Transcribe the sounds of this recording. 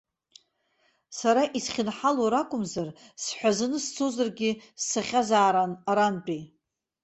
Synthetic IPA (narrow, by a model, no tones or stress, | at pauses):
saɾaʔisχʲɪnħaloɾakʷʼʊmzarsħʷᶣazɨnɨst͡sʰozarɡʲɪsːaχʲazaːɾanaɾanpʼi